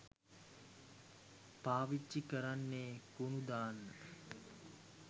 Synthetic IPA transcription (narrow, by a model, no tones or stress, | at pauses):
paːʋit͡ʃːikəɾanːeːkunud̪aːnːə